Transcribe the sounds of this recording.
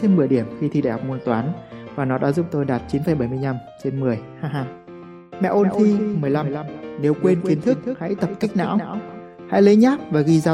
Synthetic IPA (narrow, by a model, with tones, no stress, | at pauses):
e˧mɨ˨˩əjɗi˧˩əmxi˧t̪ʰi˧ɗa˧˩hɔ˨˩mu˧ənt̪waː˨˦nvaː˨˩nɔ˨˦ɗa̰ː˧˥zʊ˨˧˩ŋ͡m̚t̪o˧jɗaː˨˩t̚t͡ɕi˨˦nfə˧˩jɓə˧˩jmɨ˧jɲa˧mt͡ɕe˧nmɨ˨˩əjhaː˧ɦaː˧ŋ | mɛ̰˧˨ʔo˧n˧tʰi˧mɨ˨˩əjla˧ne˨˦wkwe˧nki˨˦ənt̪ʰɨ˦˥k̚tha̰˧˥jt̪ə˨˩p̚ki˦˥k̚na̰ː˧˥w | ha̰˧˥jlə˨˦ɲaː˦˥p̚vaː˨˩ɣi˧zaː˧